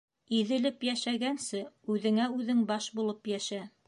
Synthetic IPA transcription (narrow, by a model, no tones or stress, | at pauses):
iðɘ̆lɘpjæʃæɡænsɘʉðɘ̆ŋæʉðɘŋbɑʃbulˠɤpjæʃæ